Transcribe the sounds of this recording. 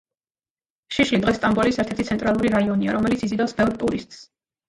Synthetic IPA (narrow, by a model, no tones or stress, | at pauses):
ʃiʃlid̪ʁɛst̪ʼambɔlisɛɾt̪ʰɛɾt̪i̥t̪sʰɛnt̪ʼɾalˠuɾiɾaiɔnia̰ɾɔmɛlit̪sizid̪afsbɛvɾt̪ʼuɾist̪ʼs